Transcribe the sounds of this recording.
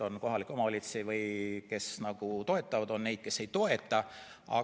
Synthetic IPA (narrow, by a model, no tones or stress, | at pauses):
o̞nko̞ɦɑlikːˑo̞mɑolʲit̪sivɤjke̞snɑɡ̥ut̪o̞e̞t̪ːˑɑvɑd̪̥o̞nːne̞jd̪̥ke̞sːe̞jt̪o̞e̞t̪ːˑɑ | ɑ̰